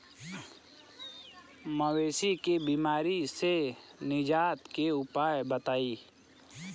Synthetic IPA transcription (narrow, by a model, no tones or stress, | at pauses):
məweːsikebiːmaːɾisenɪd͡ʒaːt̪keʊpaːjbət̪aːiː